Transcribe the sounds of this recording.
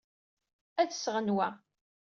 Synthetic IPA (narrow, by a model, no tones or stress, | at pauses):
æðsʁənwæ